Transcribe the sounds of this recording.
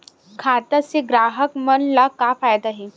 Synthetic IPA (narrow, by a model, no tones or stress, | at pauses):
kʰaːt̪aseɡɾaːɦəkmɐnlakafaːjd̪aɦɛː